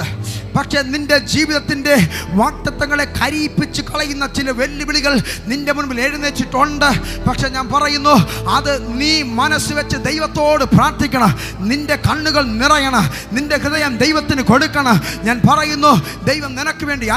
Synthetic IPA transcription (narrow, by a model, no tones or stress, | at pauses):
pɐkʂe̞ninde̞d͡ʑiːʋiðɐt̪ːinde̞ʋaːk̚t̪ɐt̪ːɐŋːɐɭe̞kʰɐɾiːpːit͡ɕːukɐɭɐjunːɐt͡ɕilɐʋe̞lːibiɭiɣɐɭninde̞munbile̞ːɻunːɨʋet͡ɕːiʈːuɳɖɨpɐkʂe̞ɲaːnpɐrɐjunːuɐðɨniːmɐnɐsːɨʋet͡ɕːɨd̪ejʋɐt̪ːo̞ːɽɨpraːrt̪ʰikʲːɐɳɐm | ninde̞kɐɳːuɣɐɭnirɐjɐɳɐ | nindekɾɨðɐjɐmd̪ejʋɐt̪ːinɨko̞ɽukʲːɐɳɐmɲaːnpɐrɐjunːu | d̪ejʋɐmninɐkːɨʋe̞ːɳɖi